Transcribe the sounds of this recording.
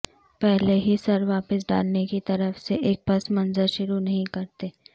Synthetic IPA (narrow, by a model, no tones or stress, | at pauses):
pɛɦleɦisɐɾʋaːpəs̬ɖa̰ːlnekit̪ɐɾəfseʔeːk̚bɐsmɐ̃nzəɾʃʊɾunɐɦĩkɐɾt̪eː